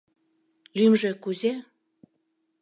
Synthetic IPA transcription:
lymʒĕkuze

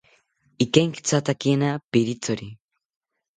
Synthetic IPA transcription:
ikejŋkt͡sat̪akienapiɾit͡soɾi

